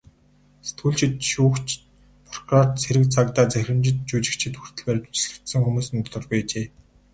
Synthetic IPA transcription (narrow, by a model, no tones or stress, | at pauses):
set̪ʰuːɮt͡ɕʰɪ̆t̪̚ʃuːxt͡ɕ | pʰʊr̥ɡraːrt̪t͡sʰeɾɘ̆k̚t͡sʰak̚t̪aːt͡sæxʲɪ̆mt͡ɕɪ̆t̪̚t͡ɕuːt͡ɕɪ̆k̚t͡ɕʰɪ̆t̪xu̥r̥t̪ʰɘ̆ɮpæːrʲt͡ɕʊ̥t͡ɕ̆ɮɘ̆kt̪sɘ̆ŋxumuːsɘ̆nt̪ʰɔɮɞ̆rɣujat͡ɕeː